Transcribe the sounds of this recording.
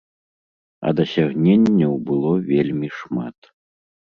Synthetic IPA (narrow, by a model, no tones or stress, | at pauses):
ɐ̰d̪ɐsʲaɣnʲenʲːɐwbɨlˠɔvʲelʲmʲiʂma̰t̪